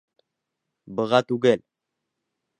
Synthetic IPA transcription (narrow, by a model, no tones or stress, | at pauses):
bɤ̆ʁɑt̪ʉɡɘl